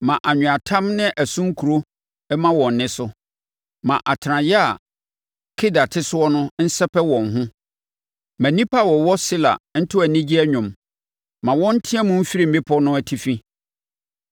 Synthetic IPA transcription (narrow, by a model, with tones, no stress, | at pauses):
mã˨ʔa˨ɲᶣʊ̃˨a˨tʰã˦mnɪ̃˦ʔæ˨sũ˦ŋ̩˦kʰu˨ɾo˦ | ɛ˦mã˦wɔ̃˨n˨nɪ̃˦sʊ˦ | mã˨ʔa˨tʰɪ˨ɾã˨jɛ˦a˨ | kʰɪ˦da˨tʰɪ˦sʊ˦ɔ˦nʊ̃˦n̩˦sɛ˦pʰɛ˦wɔ̃˨ŋ˨ɦʊ̃˦ | mæ̃˨nĩ˦pʰa˦˨wɔ˨wɔ˦si˦la̰˨n̩˦tʰʊ˦æ˨nĩ˦d͡ʑi˦ɛ˦ɲᶣʊ̃˨m | mã˨wɔ̃˦n̩˦tʰɪ̃˦ɛ˦mʊ̃˦m̩˦fi˦ɾi˦m̩˨bɪ˦pʰɔ˦nʊ̃˦æ˨tʰi˦fĩ˦